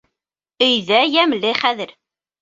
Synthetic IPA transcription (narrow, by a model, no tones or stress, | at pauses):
ijðæjæməlːiχæðəɾ